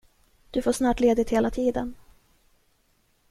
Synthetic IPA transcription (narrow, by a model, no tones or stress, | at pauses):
d̪̥ɵfoːʂnɑːʈleːd̪ɪt̪heːlat̪ʰiːd̪ən